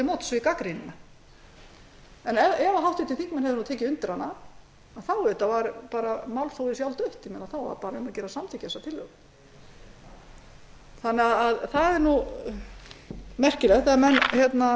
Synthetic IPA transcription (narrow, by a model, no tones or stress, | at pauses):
ɪmɔt̪sɔikakɾinɪna | ɛnɛɛvaɦawht̪ɪt̪ʰɪlθiŋkmɛnhɛvðɪnut̪ʰɛːcɪʏnt̪ɪɾ̥hanːaː | θawʏht̪avaɾpaːɾamawlθowðɪsjawlt̪œɥht̪ɪmɛːnaθawva̰ɾpaːɾaɛmacɛːɾasamt̪ʰɪcasat̪ʰɪlːœɣ | θanːɛɣaðaðθaðɛɾnu | mɛr̥cɪlɛɣt̪θɛamɛnːçjɛt̪na